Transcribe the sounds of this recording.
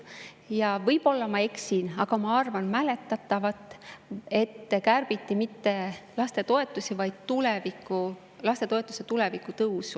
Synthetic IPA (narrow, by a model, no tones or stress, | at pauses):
jɑvɤjb̥o̞lːɑmɑe̞ksinɑɡ̥ɑmɑɑrvɑnmæle̞t̪ːˑɑt̪ˑːɑvɑt̪ːˑe̞t̪ːekærb̥it̪ˑːimit̪ːe̞lɑst̪e̞t̪o̞e̞t̪ːˑusivɑjd̪̥̚t̪ulevikːˑu | lɑst̪e̞t̪o̞e̞t̪ːˑuse̞t̪ule̞vikːˑut̪ɤuwsu